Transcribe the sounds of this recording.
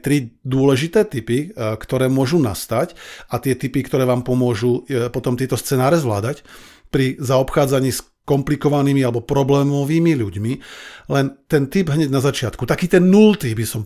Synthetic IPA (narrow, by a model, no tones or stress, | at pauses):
t̪ɾid̪ʊɔlɛʒit̪ɛːt̪ipikt̪ɔɾɛːmʊɔʒuna̰st̪acat̪ɪɛt̪ipikt̪ɔɾɛːʋaːmpɔmʊɔʒupɔt̪ɔmt̪ɪɛt̪ɔst͡sɛnaːɾɛzʋla̰ːd̪ac | pɾizaɔpxaːd͡zaɲiːs | kɔmplikɔʋaniːmialɛbɔpɾɔblɛːmɔʋiːmiʎuɟmilɛnt̪ɛnt̪ibɦɲɛɟnazat͡ʃɪat̪kut̪akiːt̪ɛnːult̪ibisɔm